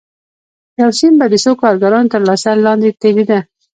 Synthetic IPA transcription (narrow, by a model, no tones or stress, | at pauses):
jawsimbad̪əsokɑɾɡaɾɑnot̪əɾlɑsalɑnd̪et̪ebid̪a